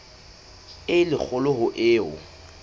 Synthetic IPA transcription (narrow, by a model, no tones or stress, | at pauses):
ɪlɪk͡xʰʊlʊhʊʔɪːʊ̰